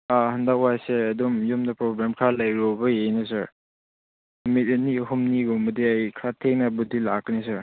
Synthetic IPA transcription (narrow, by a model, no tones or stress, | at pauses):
ahɐndak̚wajseɐdomjɔmdɐpɾɔblemkʰɾalajɾobɐjejnɐsaɾ | mit̚eniɦumniɡɔmudiajkʰɾatʰek̚nɐbudilakːnisaɾ